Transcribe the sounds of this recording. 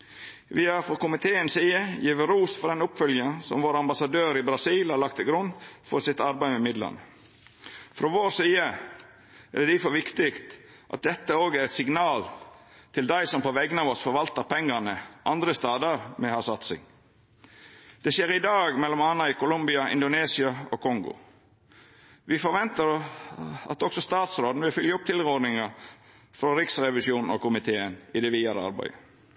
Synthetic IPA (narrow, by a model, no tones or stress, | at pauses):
ʋɪæɾfɾɔkʊmɪt̪ʰeːənsiːəjɛʋəɾuːsfɔɾd̪ɛnʊpfœljɑsɔ̰mʋoːɾɑmbɑsɑd̪øːɾɪbɾɑsiːlhɑɾlɑk̚t̪ʰɪlɡɾʉnːfɔɾsɪt̪ɑɾbæɪmɛmɪd̪lɑ̰nə | fɾɔʋoːɾsiːə | æ̰dd̪ɪfɔɾʋɪkt̪ɪkt̪ | ʔɑ̰t̪̚d̪ɛt̪ːəoːɡæɾɛt̪sɪɡnɑːl | t̪ʰɪld̪æɪsɔmpɔʋɛɡənɑʋɔsfɔɾʋɑlt̪əɾpʰɛŋːɑnəʔɑnd̪ɾəst̪ɑːd̪ɑɾmɛhɑsɑt̪sɪ̰ŋ | d̪̥ɛʃjeːɾɪd̪ɑːɡmɛlːɔmɑːnɑɪkʰʊlʊmbɪɑʔɪ̰nd̪ʊneːsɪɑɔkʰɔŋɡʊ̰ | ʋɪfɔɾʋɛnt̪əɾ | ɑ̰t̪ɔksɔst̪ɑːt̪sɾoːd̪nʋɪlfʏljəʊp̚t̪ʰɪlɾoːd̪nɪŋɑ | fɾɔɾɪksɾɛʋɪʃjuːnn̩ɔ̰kʰʊmɪt̪ʰeːənɪd̪ɛʋiːɑɾəɑ̰ɾbæ̰ɪə